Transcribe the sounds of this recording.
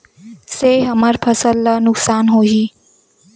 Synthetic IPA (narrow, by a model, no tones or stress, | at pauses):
seɦəməɾpʰəsəlːənʊksaːnɦoːɦiː